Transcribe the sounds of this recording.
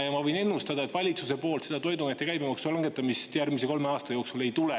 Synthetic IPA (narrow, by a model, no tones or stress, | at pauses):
jɑmɑvɤ̞jne̞nːust̪ɑd̪ɑet̪vɑlʲit̪suse̞po̞ːlt̪se̞d̪ɑt̪o̞jd̪umet̪ːe̞kæjbemɑksulɑŋɡe̞t̪ːˑɑmist̪jærmis̬e̞ko̞lme̞ɑːst̪ɑjo̞ːksule̞jt̪ule